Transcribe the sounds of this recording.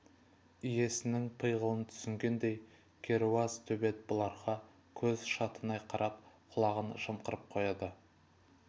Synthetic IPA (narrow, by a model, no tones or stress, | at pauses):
ije̞sɪnɪŋpʰəjʁəlˠənt̪ʰʏ̥sɪŋɡʲe̞nd̪e̞j | kʲʰe̞ɾuɑzt̪ʰɵbe̞t̪̚bʊlˠɑɾχɑ | kʲʰɵzʃɑt̪ənɑjqʰɑɾʔɑp̚qʰʊlˠɑʁənʃəmqəɾəp̚qʰo̞jɑd̪ə